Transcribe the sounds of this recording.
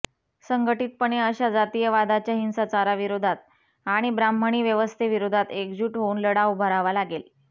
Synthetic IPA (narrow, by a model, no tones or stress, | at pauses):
səŋɡəʈiːt̪̚pəɳeəɕad͡zat̪iːjəʋad̪ʱat͡ɕjaɦinsat͡saɾaʋiɾod̪ʱat̪̚ | aɽ̃ibɾambʱəɳ̃iːʋjəʋəst̪ʰeʋiɾod̪ʱat̪ekd͡ʑuːʈɦouːnləɽaubʱəɾaʋalaɡel